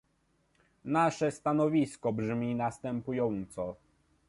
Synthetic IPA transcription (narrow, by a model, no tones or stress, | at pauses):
naʂɛst̪anɔvʲiskɔbʐmʲinast̪ɛmpujɔnt̪sɔ